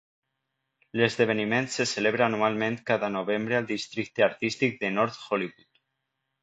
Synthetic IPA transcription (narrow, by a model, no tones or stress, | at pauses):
lezðeβ̞enimẽnt̪seseleβ̞ɾaːnualmẽnt̪kaðanoβ̞embɾealˠd̪ist̪ɾik̚t̪eaɾt̪ist̪ik̚d̪enɔɾt̪xoliβut̪